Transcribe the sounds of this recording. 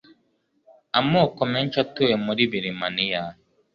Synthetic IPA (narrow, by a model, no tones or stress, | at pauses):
amɔkɔmɛn̩t͡ʃatoɛmɔdibiɾimanija